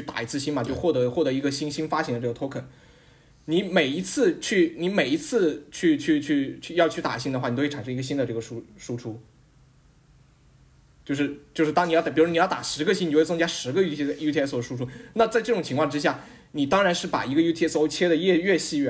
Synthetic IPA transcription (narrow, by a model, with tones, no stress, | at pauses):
y˥˩t̪a̰˨˩i˧˥t͡sʰɹ̩˥˩ɕi˥nma˨˩t͡ɕo˥˧ʊxwɔ˥˩t̪ɤ˧˥xwɔ˥˩t̪ɤ˧˥i˧˥ɡə˧ɕi˥nɕi˥nfa˥ɕŋd̪ə˧ʈ͡ʂɤ˥˩ɡə˩t̪ʰo˥kʰə˨˩n | ni˧˥me˨˩ɪi˧˥t͡sʰɹ̩˥˧t͡ɕʰy˥˩ni˧˥me˨˩ɪi˧˥t͡sʰɹ̩˥˧t͡ɕʰy˥˧t͡ɕʰy˥˧t͡ɕʰy˥˧t͡ɕʰy˥˧jɑ˥˧ʊt͡ɕʰy˥˩t̪a̰˨˩ɕ̬i˥˧nə˩xwa˥˩˨a˨˩ʂɤ˥ŋi˧˥ɡə˧ɕ̬i˥nd̪ə˧ʈ͡ʂɤ˥˩ɡə˩ʂu˥ʂu˥ʈ͡ʂʰu˥ | t͡ɕjo˥˧ʊʂ̬ɻ̩˥˧t͡ɕjo˥˧ʊʂ̩˥t̪ɑ˥ŋi˨˩jɑ˥˩i˨˩u˧˥i˨˧jt̪a̰˨˩ʂɻ̩˧˥ɡə˧ɕi˥ni˨o˥˧˥t͡st͡ɕja˥ʂɻ̩˧˥ɡə˧ju˥i˥ju˥t̪ʰi˥˧ɛ˥so˥˩ʂu˥ʈ͡ʂʰu˧˥na˥˧t͡sa˥˧ɪʈ͡ʂɤ˥˩ʈ͡ʂʊ˨˩ŋt͡ɕʰi˧˥ŋʰkwɑ˥˧ŋʈ͡ʂɻ̩˥ɕ̬ja˥˩ | ni˨˩t̪ɑ˥ŋɻa˧˥nʂɻ̩˥˩pa̰˨˩i˧˥ɡə˧ju˥t̪ʰi˥ɛ˥so˥ʊt͡ɕʰjɛ˥d̪ə˨ɥɛ˥˧ɥɛ˥˧ɕi˥ɥɛ˥˩